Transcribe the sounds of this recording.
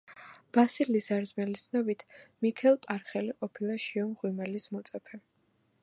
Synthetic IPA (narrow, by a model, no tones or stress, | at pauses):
b̥asilizaɾzmɛlisnɔbit̪ʰmikʰɛlˠpʼaɾχɛliqʼɔpʰilˠaʃiɔmʁwimɛlismɔt̪sʼɛpʰɛ